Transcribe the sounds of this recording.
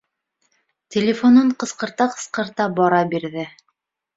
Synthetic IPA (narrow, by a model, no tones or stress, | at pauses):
tʲɪlʲɪfonoɴqɤ̆sqɤ̆ɾt̪ɑqɤ̥̆sqɤ̆ɾt̪ɑbɒɾɑbiɾðɘ